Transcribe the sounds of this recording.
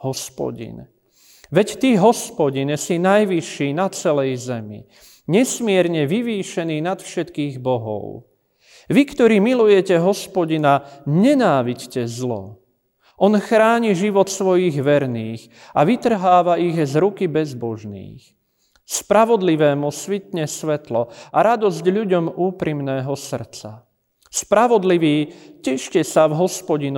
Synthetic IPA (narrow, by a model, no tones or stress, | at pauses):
ɦɔspɔ̰ɟḭn | ʋɛct̪iːɦɔspɔɟinsinajʋiʃːiːnat͡sɛlɛjzɛmḭ | ɲɛsmɪɛɾɲɛʋiʋiːʃɛniːnat̪fʃɛt̪kiːɣbɔɦɔ̰ʊ | ʋikt̪ɔɾiːmilujɛcɛɦɔspɔɟinaɲɛnaːʋiɟcɛzlɔ̰ | ʔɔnxɾaːɲiʒiʋɔt̪sʋɔjiɣʋɛɾniːx | aʋit̪r̩ɦaːʋaiɣzɾukibɛzbɔʒnḭːx | spɾaʋɔd̪liʋɛːmusʋit̪̚ɲɛsʋɛt̪lɔaɾad̪ɔzɟʎuɟɔmuːpɾimnɛːɦɔsr̩t͡sa | spɾaʋɔd̪liʋiːcɛʃcɛsavɦɔspɔɟin